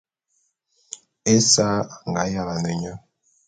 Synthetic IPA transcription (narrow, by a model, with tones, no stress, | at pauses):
e˦sa˦˨ŋ˨ɡa˨˦ja˨ɣa˨nə˨ɲa˦